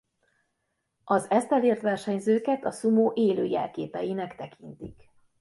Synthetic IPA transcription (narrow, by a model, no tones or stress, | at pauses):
ʔɒzɛst̪ɛleːrt̪ʋɛrʃɛɲzøːkɛt̪ɒsumoːʔeːløːjɛ̰lkeːpɛ̰jinɛkt̪ɛkʰint̪ik